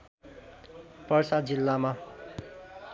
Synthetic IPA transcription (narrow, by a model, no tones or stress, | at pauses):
pʌrsad̪̚d͡zilːama